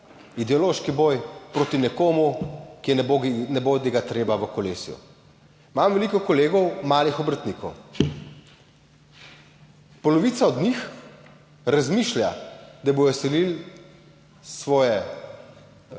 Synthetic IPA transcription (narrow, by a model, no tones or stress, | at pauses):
id̪ɛɔloʃkibɔjpɾoːt̪inɛkoːmukiɛnɛbod̪ɛɡat̪ɾeːbaʋəkɔlḛːsjṵ | imamʋɛlikɔkɔleːɡɔwmaːlixɔbɾət̪niːkɔw | pɔlɔʋiːt̪saɔd̪nix | ɾazmiːʃlʲja̰d̪abojɔsɛlil | sʋɔːjɛ